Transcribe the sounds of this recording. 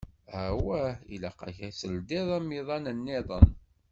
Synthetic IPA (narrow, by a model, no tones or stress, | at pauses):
æwæhḭlæqɑ̰çæsəld̪iðˤæmiðˤɑnənːɪðˤə̰n